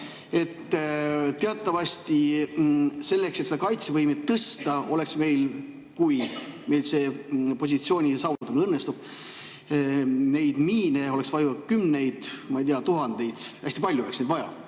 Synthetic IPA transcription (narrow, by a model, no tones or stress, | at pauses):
e̞t̪ː | t̪eɑt̪ːˑɑvɑsʲt̪i | selːekset̪seɑkɑjt̪sevɤjmet̪ːɤst̪ɑo̞le̞ksme̞jl | kujme̞jlse̞ːpo̞s̬ʲit̪sio̞ːnʲisɑwvut̪ːumnɤnːest̪ub̥̚ | ne̞jd̪̥miːneo̞le̞ksvɑjukymnejd̪̥mɑejd̪iɑt̪uɦɑnd̪̥e̞jd̪̥æsʲt̪ipɑlʲjuoleksned̪vɑjɑ̰